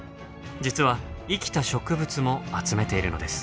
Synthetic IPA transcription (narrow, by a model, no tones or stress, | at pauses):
d͡ʑit͡sɨβaikʲi̥t̪aɕo̞kɯ̟bɯ̟t͡sɨmo̞at͡sɨme̞t̪e̞iɾɯ̟no̞̰d̪esɨ̥